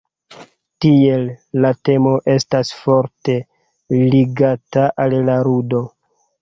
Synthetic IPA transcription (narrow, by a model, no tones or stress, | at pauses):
tie̞lːate̞mo̞ʔe̞stasfo̞ɾte̞ | liɡataʔallaɾudo̞